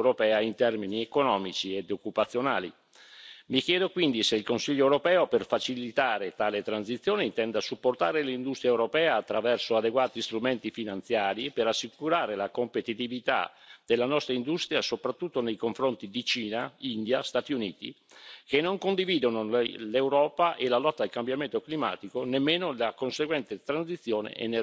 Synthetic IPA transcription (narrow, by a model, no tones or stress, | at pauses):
ɾopɛːaint̪ɛrminiekonɔːmit͡ʃied̪okːupat̪sːjona̰ːlḭ | mikjɛːd̪okwind̪iseilkonsiʎːoɛwɾopɛːoperfat͡ʃilit̪aːɾet̪aːlet̪ɾansit̪sːjoːneint̪ɛnd̪asupːort̪aːɾelind̪ust̪ɾiaewɾopɛːaːt̪ːɾavɛrsoad̪eɡwaːt̪ist̪ɾument̪ifinant̪sjaːɾipeɾasːikuɾaːɾelakompet̪it̪ivit̪a̰d̪̥elːanɔst̪ɾaind̪ust̪ɾjasopɾat̪ːut̪ːonejkoɱfɾont̪id̪it͡ʃiːnaind̪jast̪aːt̪iunḭːt̪ḭk̟enːoŋkond̪iviːd̪onolewɾɔːpaʔelalɔt̪ːaːlkambjament̪oklima̰ːt̪ikonemːeːnolakonseɡwɛnt̪et̪ɾansit̪sːjoːnḛʔɛ̰nːe